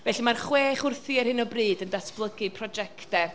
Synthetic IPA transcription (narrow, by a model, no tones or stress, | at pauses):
vɛɬimarχweːχʊrθiɛrhɪnɔbriːdəndasplˠəɡɨpʰrɔd͡ʒɛktɛ